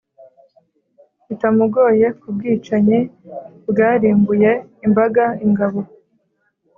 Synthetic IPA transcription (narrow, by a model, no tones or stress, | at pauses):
itamuɡo̞ːje̞kub̚ɡiːt͡ʃaɲibɡaːɾiːmbuje̞imbaɡaiŋɡaβo̞